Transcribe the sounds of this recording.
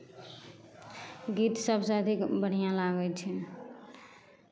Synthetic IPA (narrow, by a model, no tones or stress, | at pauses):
ɡit̪səbsə̃əd̪ʱikbəɽ̤ijãlaɡɛt͡ʃʰɛ